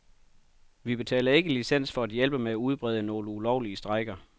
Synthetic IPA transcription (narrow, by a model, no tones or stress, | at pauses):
ʋib̥e̝t͡sʰɛ̰ːlɐe̝ɡ̥əlisen̰sfɒ̽æd̥jelb̥əmeæuð̞ˠb̥ʁɛð̞ˠənɔ̝ːləulɒʊ̰liəsd̥ʁɑ̈ɪɡ̥ɐ